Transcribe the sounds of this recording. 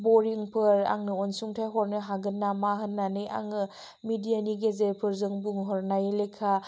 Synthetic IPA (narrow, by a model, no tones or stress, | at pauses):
boɾiŋpʰɯɾa̰ŋnɯɔnsuŋtʰajɦɔɾnɯɦaɡɯnːamaɦɯnːanɯja̰ŋɯ | midijaniɡezepʰɯɾzɯŋbuŋɦɔɾnajlekʰːa